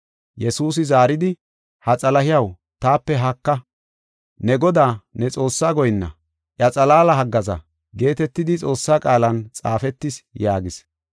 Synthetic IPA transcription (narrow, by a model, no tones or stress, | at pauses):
jɛsuːs̬ɪzaːɾɪd̪ɪ | hɐt͡sʼɐlɐhɪjɐw | t̪aːpːɛɦɐkːɐ | nɛɡɔd̪aːnɛt͡sʼo̞ːsːaːɡɔjnːɐ̰ | ʔjɐt͡sʼɐlaːlɐɦɐɡːɐzɐ̰ | ɡe̞ːt̪ɛt̪ːɪd̪ɪt͡sʼo̞ːsːaːkʼaːlɐnt͡sʼaːfɛt̪ːɪsjaːɡɪs